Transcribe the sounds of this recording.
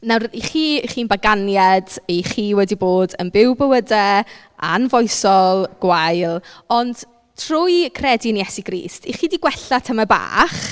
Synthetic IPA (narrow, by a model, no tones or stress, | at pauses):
nawriχiːχiːnbaɡanjadejχiːwɛdiboːdənbɪwbəwədɛ | a̰nvɔjsɔlˠɡ̥wajlˠɔnd̥ | tʰrʊjkʰrɛdinjɛsiɡrḭːstʰiχiːdiɡwɛɬatʰəmaba̰ːχ